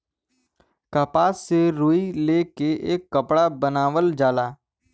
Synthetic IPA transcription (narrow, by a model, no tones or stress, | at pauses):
kapaːsːeɾoːileːkeʔḛːkːəpɽabənaːʋəld͡ʒaːlaː